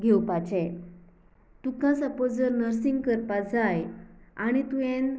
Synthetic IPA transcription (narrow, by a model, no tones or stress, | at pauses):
ɡʱewpat͡ɕɛ̃ | t̪ukãsəpod͡zəɾnəɾsĩŋɡkəɾpad͡zajaɽ̃it̪ujẽn